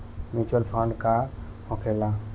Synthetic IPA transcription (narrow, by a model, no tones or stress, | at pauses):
mjuːt͡ʃuəlpʰɔ̃ɳɖka | hõkʰela